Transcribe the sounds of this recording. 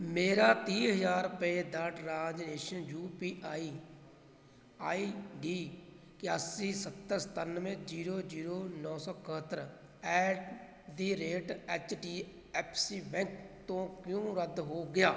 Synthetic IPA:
meːɾaːt̪ĩːɦəzaːɾpəeːd̪aʈɾaːd͡ʒneːʃənjuːpiːʔaːiː | aːiːɖiː | kɪaːsiːsət̪ːəɾst̪ənʋẽːd͡ʒiːɾoːd͡ʒiːɾoːnɔːsɔːkəɦət̪ːəɾ | ɛːʈ | d̪iːɾeːʈɛːt͡ʃʈiː | ɛːpʰsiːbɛ̃ŋkt̪õːkjõːɾəd̪ɦoːɡɪjaː

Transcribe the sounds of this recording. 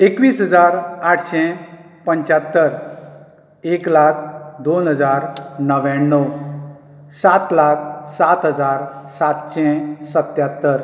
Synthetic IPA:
ekʋiːsɦəd͡zaɾaʈʰɕɛ̃ | pəɲt͡ɕat̪ːəɾ | eklak̚ʰd̪onɦəd͡zaɾnəʋãnːəw | sat̪lakʰsat̪ɦəd͡zaɾsat̪ɕɛ̃sət̪jat̪ːəɾ

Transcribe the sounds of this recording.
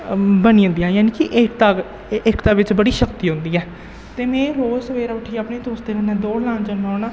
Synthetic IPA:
bəniːõnd̪ijãːjaːniːkɪʔɪkt̪aː | ɪkt̪aːʋɪt͡ʃbəɽiːʃəkt̪iːɦʊ̃nd̪iːɛː | t̪eːmɛ̃ːɾoːzəʋeːɾaːəʈʰːiːaːpneːt̪oːsd̪eːɾənɛ̃ːd̪oːɽlãːnd͡ʒənoːnãː

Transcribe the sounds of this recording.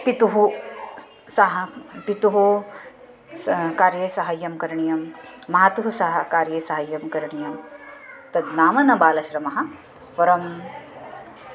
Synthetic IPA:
pit̪uɦu | sɐɦɐpit̪uɦu | kaːɾjeːsɐɦɐjːɐmkɐɾɳijɐmːɐɦaːt̪uɦusɐɦɐkaːɾjeːsɐɦɐjːɐmkɐɾɳijɐm | t̪ɐd̪naːmɐnɐbaːlɐʃɾɐmɐɦɐ̆ | pɐɾɐm

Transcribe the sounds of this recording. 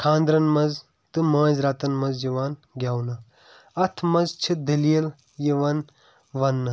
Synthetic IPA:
kʰãːnd̪ɾɐnmɐz | t̪ɨmãːzɾaːt̪ɐnmɐzjiʋaːnɡʲaːwnɐ | ɐt̪ʰmɐzt͡ʃʰid̪ɐlijɐl | jiʋɐn | ʋɐnːɐ

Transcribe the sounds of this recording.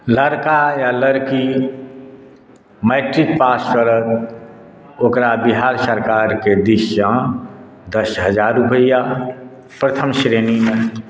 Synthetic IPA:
ləɾkajaləɾki | meːʈɾik̚paːskəɾət̪ | oːkɾabiɦaːɾsəɾkaːɾked̪iʃjã | d̪əsɦəd͡ʒaːɾupəjja | pɾət̪ʰəmʃɾeːnimẽ

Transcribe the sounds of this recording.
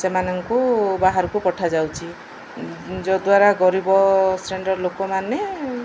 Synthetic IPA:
semanɔŋkubaɦaɾɔkupɔʈʰad͡ʒawt͡ʃʰi | d͡ʒɔd̪waɾaɡɔɾibɔsɾeɳɖɔɾlokɔmane

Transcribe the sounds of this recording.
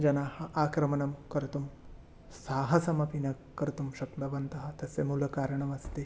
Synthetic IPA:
d͡ʒɐnaːhɐʔaːkɾɐmɐnɐmkɐɾut̪um | saːɦɐsɐmɐpinɐ | kːɐɾut̪umʃɐkt̪ɐbɐnt̪ɐɦɐ̆t̪ɐsɐmulɐkaːɾɐɳɐmɐst̪e

